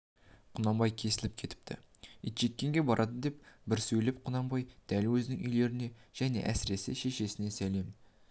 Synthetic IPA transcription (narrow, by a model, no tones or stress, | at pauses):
qʰʊnɑmbɑjkʲʰe̞sɪlɪp̚kʲʰe̞t̪ɪ̥p̚t̪ʰɪ̰ | it̪ʒ̥e̞t̪̚kʲːe̞ŋɡʲe̞bɑɾʔɑd̪əd̪e̞pbɪɾsɵjlɪpqʰʊnɑmbɑjd̪̥ælwɵzɪnɪŋʔʏjle̞ɾɪne̞ʒ̥æne̞̰ʔæsɪɾe̞sɪʃe̞ʃe̞sɪne̞sæle̞m